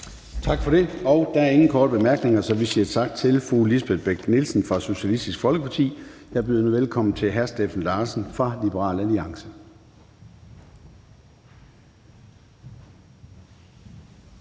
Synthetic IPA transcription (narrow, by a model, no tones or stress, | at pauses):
t͡sʰɑ̈ɡ̥fɒ̽ɾ̥e̝ɒ̽ʊd̥ææɐe̝ŋn̩kʰɒːɾəb̥e̝mæɐɡ̥ne̝ŋɐsɒ̽ʋisiɐ̥sʰɑ̈ɡ̥̚d̥t͡sʰe̝lfʁuːlisb̥eðˠb̥eɡ̥nilsn̩fʁɑ̈so̝ɕælisd̥isɡ̥fɒ̽lɡ̥əpʰɑ̈t͡sʰḭːjɑ̈b̥y̰ðˠnuʋelkʰɒ̽mn̩t͡sʰe̝lɦæɐsd̥efæn̩lɑ̈ːsn̩fʁɑ̈lib̥əʁɑ̰̈ːlæliɑ̈ŋsə